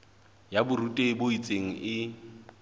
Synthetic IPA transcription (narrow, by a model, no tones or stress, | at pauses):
jabʊrutʼeboit͡sʼeŋ̩ʔɪ